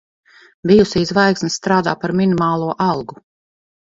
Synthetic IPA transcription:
bijusiːzvajksnisːt̪ɾaːd̪aːpaɾminimaːlˠuɔʔɑlˠɡu

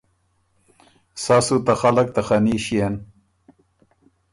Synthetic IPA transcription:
sasut̪axalak̚t̪axaniːɕien

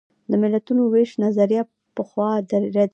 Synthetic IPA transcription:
d̪əmɪlat̪unoweʃnazaɾja | pəxwɑd̪aɾɾad̪

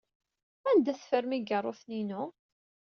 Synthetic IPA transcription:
ænd̪æsfəɾmiɡərˤoθninʊ

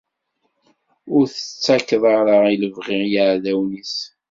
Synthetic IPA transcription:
ʊɾθə̥t͡sːækːðˤɑɾˤəʁiləvʁɪʁjəʕðæwnis

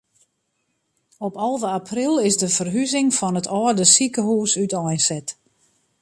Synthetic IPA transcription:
ɔpɔlˠvəapʰrilˠɪsdəfərɦyzɪŋfɔnətʰɔːrdəsikəɦuːsytɔjnsɛt

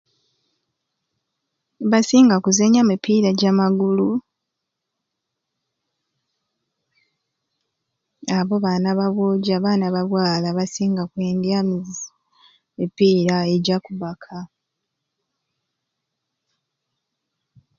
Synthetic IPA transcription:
βasiːŋɡakuzeɲamipiːɾaɟamaɡulu | aβo̞βaːnaβaβwoːɟaβaːnaβaβwaːlaβasiːŋɡakweːndiami | mipiːɾae̞ɟakuβakʰa

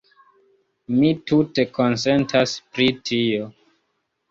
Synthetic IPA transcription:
mitute̞ko̞nse̞ntʰaspɾitʰio̞

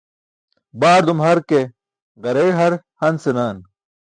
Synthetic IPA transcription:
baːɾd̪umhɐɾke | ɣɐɾeːɦɐɾ | hɐnsenaːn

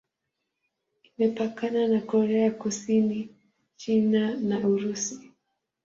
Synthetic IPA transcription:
imɛpakananakɔɾɛakusini | t͡ʃinanauɾusi̥

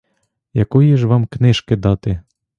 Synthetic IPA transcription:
jɐkɔjiʒʋɑmknɪʃkɪd̪ɑt̪ɪ

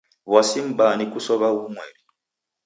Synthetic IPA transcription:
βwasim̩banikusɔβaɣumwɛɾi

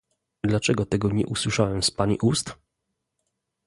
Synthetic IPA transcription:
d̪lat͡ʂɛɡɔt̪ɛɡɔɲɛ̰ʔuswɘʂawɛmspaɲḭʔust̪

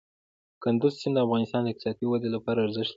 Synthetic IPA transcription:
kʊnd̪ʊzsɪnd̪əafɣɑnɪst̪ɑnd̪əɪkt̪isɑt̪iwad̪elapɑɾaːɾzəʃt̪

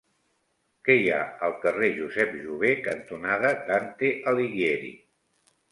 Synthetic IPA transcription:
kɛja̰əlˠkəreʒuzɛpʒuβ̞ekənt̪unaðət̪ant̪eʔəliɣjeɾḭ

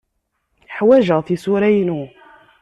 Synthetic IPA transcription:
ħwæʒəθisuɾæjnu

